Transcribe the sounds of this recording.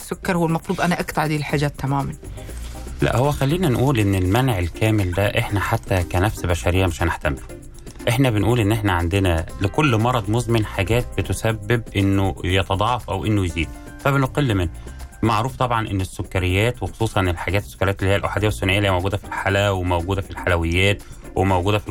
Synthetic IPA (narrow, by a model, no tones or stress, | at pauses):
sːokːɑɾˤhowːælmɑfɾuːd̪ˤʔænæʔækt̪ɑʕd̪iːlħaːd͡ʒæːt̪ːæmæːmæn | læ̰ʔhowːæxælːiːnænʔuːlʔenːelmænʕelkæːmeld̪æʔeħnæħat̪ːækænæfsbæʃæɾejːæmeʃæneħt̪æmelu | ʔeħnæbenʔuːlʔenːʔeħnæʕand̪enælekolːmɑɾˤɑd̪ˤmozmenħaɡæːt̪̚bet̪osæbːeb̚ʔenːojet̪ɑd̪ˤɑʕɑfʔæwʔenːojeziːd̪ | fæbenqelːmenːmaʕɾuːft̪ˤɑbʕɑnʔenːesːokːæɾejːæːt̪wexo̥sˤuːsˤɑnelħaɡæːt̪esːo̥kːɾejæːt̪elːihijːælʔaħad̪ejæwesːonʔejːlijːæmowɡuːd̪æfilħalæwemæwɡuːd̪æfilħalæwejːæːt̪ | wʔemowɡuːd̪æfil